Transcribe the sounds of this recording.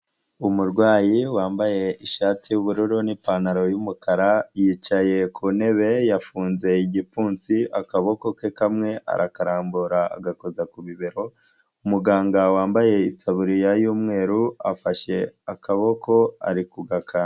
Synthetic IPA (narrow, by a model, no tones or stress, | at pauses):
umuɾɡwaːjiwaːmbaje̞iʃaːtijuβuɾuɾunipanaɾo̞jumukaɾajiːt͡ʃaje̞kʰune̞βe̞jafuːnze̞iɟipuːnt͡siakaβo̞ko̞kekamŋe̞ʔa̰ɾakaɾaːmbuɾa̰ːɡako̞zakuβiβeɾo̞ | umuɡaːŋɡawaːmbaje̞itʰaβuɾijajuːmŋe̞ːɾuafaʃe̞akaβo̞ko̞a̰ɾikuɡakʰa